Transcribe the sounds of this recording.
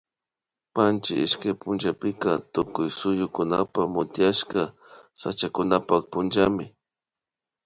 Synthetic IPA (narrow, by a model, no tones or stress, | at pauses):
pant͡ʃɪɪʃkajpʊnd͡ʒapɪkat̪ʊkʊjsʊjʊkʊnapamʊt̪jaʃka | sa̰t͡ʃakʊnapak̚pʊnd͡ʒamɪ